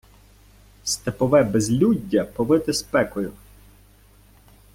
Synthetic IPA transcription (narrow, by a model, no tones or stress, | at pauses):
st̪epɔʋɛbezlʲudʲːɐpɔʋɪt̪ɪspɛkɔjʊ